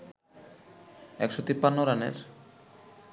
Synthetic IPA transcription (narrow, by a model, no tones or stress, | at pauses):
ɛkʃot̪ipːanːoɾanḛɾ